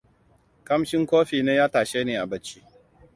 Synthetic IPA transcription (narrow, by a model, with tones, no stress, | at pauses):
kɐ˦mʃɪ˦ŋkoː˦ɸiː˨neː˦jaː˦taː˨ʃeː˦neː˨ʔa˨bɐ˦t͡ʃːiː˦